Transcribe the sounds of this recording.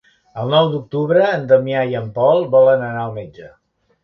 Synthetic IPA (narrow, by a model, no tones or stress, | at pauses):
əlˠnɔwd̪uk̚t̪uβɾəːnd̪əmjaiəmpɔlˠbɔlənənaəlˠmed͡ʒə